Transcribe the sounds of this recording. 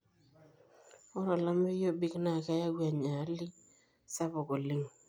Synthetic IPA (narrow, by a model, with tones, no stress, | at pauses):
ɔ˦ɾɔ˨la˦mɪ˦jo˦bi˦kna˦˨ka˦ja˦ɡwa˨ɲa˨˦lɪ˦ | sa˦bɔ˨ko˨lɪ˦ŋ